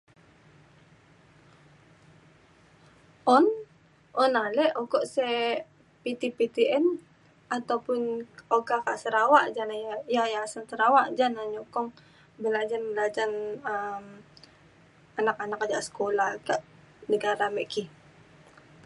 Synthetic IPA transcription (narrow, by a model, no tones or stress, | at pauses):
ʔɔn | ʔɔnalɛʔɔɡɔʔsɛ | pit̪ipit̪iɛn | at̪awpʊnokakaʔsəɾawaʔd͡ʒanajajasənt̪əɾawaʔd͡ʒanaɲɔkɔŋ | bəlad͡ʒanbəlad͡ʒanəm | anakanakad͡ʒaʔsə̥kolahkaʔ | nəɡaɾamɛʔkih